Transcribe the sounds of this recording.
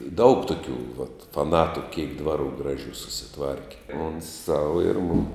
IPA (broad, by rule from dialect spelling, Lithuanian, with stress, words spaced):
ɪ dɐʊk tʊˈkʲuː ʋɐt fɐˈnɑːtʊ kʲeːk ˈdʋɑːˌruː ˈɡrɑːˌʒʲuː sʊsʲɪˈtʋɐrʲkʲɪ ˈoːns ˈsɐʊ ɪr ˈmʊm